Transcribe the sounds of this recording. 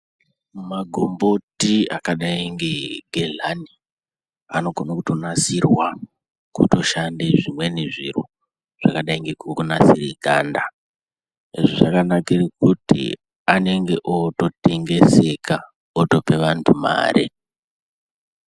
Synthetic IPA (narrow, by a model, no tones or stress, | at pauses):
maɡʱo̞mbo̞tia̰kaɗaiŋɡe̞ɡʱeɮani | a̰no̞ɡonakutonasirwa | kuto̞ʃandeʐimwe̞neʐiɾo̰ | ʐ̥akaɗaiŋɡekukunasiriɡʱa̰ːnda | eʐoʐakanakerekutḭ | ane̞ŋɡe̞ʔoto̞te̞ŋɡe̞se̞kʰa | oto̞pe̞ʋantʰuma̰ːɾʔḭ